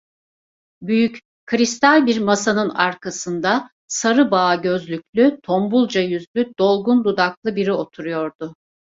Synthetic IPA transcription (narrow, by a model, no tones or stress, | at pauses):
byjyc | kʰɾist̪ælʲbiɾmasanɯnaɾkʰasɯnd̪a | saɾɯbaːɟøzlʲycʲlʲyt̪ʰo̞mbulˠd͡ʒajyzlʲyd̪̥o̞lˠɡund̪ud̪aklˠɯbiɾio̞t̪ʰuɾujo̞ɾd̪ʊ